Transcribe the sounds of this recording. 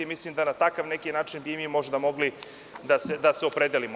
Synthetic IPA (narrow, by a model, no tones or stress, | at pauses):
imislimd̪anat̪akaʋnekinaːt͡ʃinbimimo̞ʒd̪amo̞ɡli | d̪ased̪aseo̞pɾed̪elimo